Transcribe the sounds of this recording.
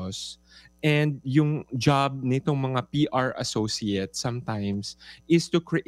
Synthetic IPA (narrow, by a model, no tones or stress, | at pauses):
s | ʔɛ̃nd̪̚jʊŋd͡ʒab̚nɪt̪o̞ŋmɐŋapiːʔaɹɐ̰sosiɛt̪̚sɐ̃mt̪ãjmsʔɪst̪ʊkɹɪʔ